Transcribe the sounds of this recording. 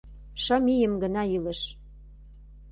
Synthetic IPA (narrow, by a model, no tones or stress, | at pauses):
ʃəmijə̆mɡə̆nɑilə̆ʃ